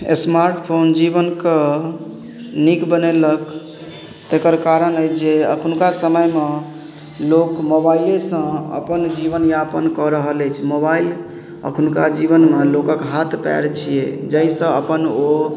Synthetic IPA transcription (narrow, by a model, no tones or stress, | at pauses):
ḛsmaɾʈpʰond͡ʒibənke | nikbənelək | t̪ekəɾkaɾənəjt͡ʃʰd͡ʒeə̰kʰunkasəməjme | lokmobailesə̃ə̰pənd͡ʒibənjapənkɔɾəɦəlɛt͡ʃʰmobail | ə̰kʰunkad͡ʒibənmelokəkɦat̪ʰpɛ̰ɾt͡ʃʰijḛd͡ʒəisə̃əpəno